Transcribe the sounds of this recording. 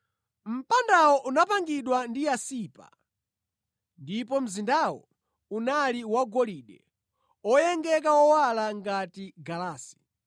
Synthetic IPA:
m̩pandawɔʔunapaŋɡiɗwandijasiːpa̰ | ndip̬ɔm̩zindawɔ̰ | unaliwaɡɔliːɗɛ | ɔjɛŋɡɛkawɔwalaŋɡatiɡalaːsi̥

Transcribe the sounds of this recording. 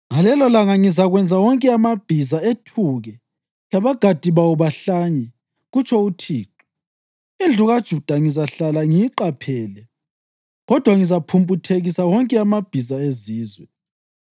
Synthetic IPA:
ŋalɛlɔlaŋaŋizaɣwɛnd͡zʱawɔŋkʼɛamab̥ʱizaetʰuɣɛ | laβaɡ̥ʱad̥ʱiβauβaɬaɲɛ | ɣut͡ʃʰʼɔutʰiːǃu̥ | ind͡ɮʱuɣad̥ʒ̥ʱud̥ʱaŋizaɬalaŋijiǃapʰɛːlɛ | ɣɔd̥ʱwaŋizapʰumpʼutʰeɣisawɔŋkʼɛamab̥ʱizaeziːzwɛ

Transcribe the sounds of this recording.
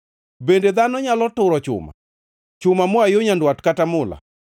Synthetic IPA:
bended̪anɔɲalɔtʊɾɔt͡ʃʊ̰ma̰ | t͡ʃʊmamɔajoɲandwatkatamʊla̰

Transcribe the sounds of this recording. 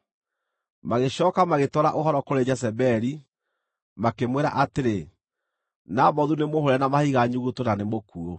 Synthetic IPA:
maɣeɕɔːkamaɣetɔɾaʔoɦɔɾɔkoɾed͡ʒɛsɛbɛɾi | makemweɾa̰ʔateɾe | namɔðunemohoɾɛnamahiɣaɲuɣutonanemokuo

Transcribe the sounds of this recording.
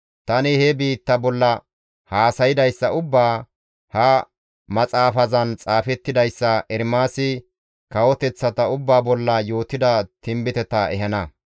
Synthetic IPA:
t̪ɐnɪhɛbiːt̪ːɐbɔlːɐ | haːsɐjɪd̪ɐjsːɐʊbːaː | hɐ | mɐt͡sʼaːfɐzɐnt͡sʼaːfɛt̪ːɪd̪ɐjsːɐʔɛɾmaːsɪ | kɐwɔt̪ɛt͡sːɐt̪ɐʊbːaːbɔlːɐjo̞ːt̪ɪd̪ɐt̪ɪmbɪt̪ɛt̪ɐɛɦɐnɐ

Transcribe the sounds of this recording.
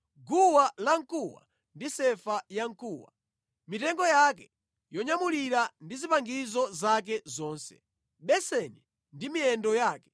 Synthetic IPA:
ɡuwalaŋ̩kuwa̰ | ndisɛfajaŋ̩kuːwa̰ | mitɛŋɡɔjakɛ | jɔɲamuliɾandizipaŋɡizɔzak̬ɛzɔːnsɛ̰ | ɓɛsɛni | ndimiɛndɔjaːkɛ

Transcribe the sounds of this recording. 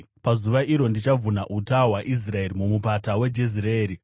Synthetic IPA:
pazuʋaʔiɾo̞ndit͡ʃavunaʔutawaʔis̬rae̞ɾimumupatawe̞d͡ʒezireeːɾi

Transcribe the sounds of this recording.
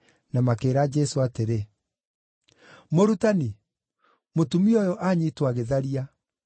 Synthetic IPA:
namakeːɾad͡ʒɛsoateɾe | moɾutani | motumiɔjɔʔaɲitwaɣeðaɾia

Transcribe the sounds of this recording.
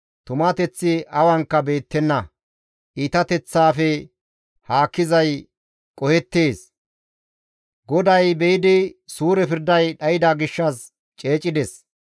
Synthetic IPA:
t̪ʊmɐt̪ɛt͡sːɪɐwɐŋkːɐbe̞ːt̪ːɛnːɐ | ʔiːt̪ɐt̪ɛt͡sːaːfɛ | haːkːɪzɐj | kʼɔhɛt̪ːeːs | ɡɔd̪ɐjbɛjɪd̪ɪsuːɾɛpɪɾd̪ɐjɗɐjɪd̪aːɡɪʃːɐs | t͡ʃʼe̞ːt͡ʃʼɪd̪ɛs

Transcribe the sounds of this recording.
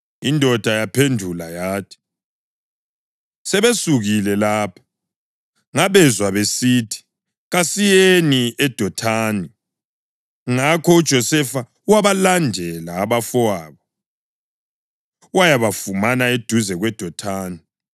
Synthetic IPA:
indʱɔd̥ʱajapʰendʱulajaːtʰi̥ | sɛβesuɣilɛlaːpʰḁ | ŋaβɛzwaβesitʰi̥ | ɣasijeeniʔɛd̥ʱɔtʰaːni | ŋakʰɔud̥ʒ̥ʱɔsɛfa | waβalandʱɛlaːβafɔaːβɔ | wajaβafumanaed̥ʱuzɛɣwɛd̥ʱɔtʰaːni

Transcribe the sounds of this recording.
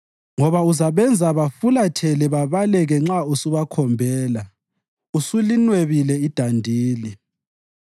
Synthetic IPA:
ŋɔβauzaβɛnd͡zʱaβafulatʰɛlɛβaβalɛɣɛŋ͡ǁausuβakʰɔmbʱɛːla | usulinweβilɛid̥ʱandʱiːli

